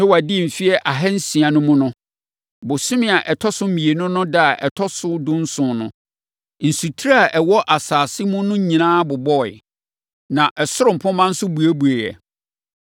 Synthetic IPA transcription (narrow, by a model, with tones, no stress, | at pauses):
nɪ̃˦wa˨dɪ˦˨m̩˨fi˦ɛ˦ʔa˨ɦɛ˦n̩˦sĩ˨ã˨nʊ̃˦mʊ̃˦nʊ̃˦ | bʊ˨sʊ̃˦mɪ̃˦˨a˨ʔɛ˨tʰɔ˦sʊ˦mĩ˨e˨nʊ̃˦nʊ̃˦da˦a˨ʔɛ̰˨tʰɔ˦sʊ˦dʊ̃˦n̩˦sʊ̃˨nʊ̃˦ | n̩˨su˨tʰi˦ɾa˦a˨ʔɛ˨wɔ˦ʔa˨saː˨sɪ˦mʊ̃˦nʊ̃˦ɲĩ˨nãː˦bʊ˨bɔ˦˨ɪ̰˨ | nã˨ʔɛ˨sʊ˦ɾʊ˨m̩˨pʰʊ̃˦mã˦n̩˦sʊ˦bu˨æ˦bu˨e˨jɛ̰˨